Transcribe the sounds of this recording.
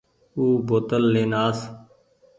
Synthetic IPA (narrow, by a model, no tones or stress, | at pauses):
uːboːt̪əlːeːnaːs